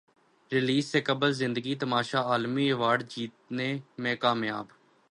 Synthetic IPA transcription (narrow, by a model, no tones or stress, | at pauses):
ɾɪliːsːeːkəbəlzɪ̃nd̪əɡiːt̪əmaːʃaːaːlmiːəʋaːɖd͡ʒiːt̪̚neːmɛ̃ːkaːmjaːb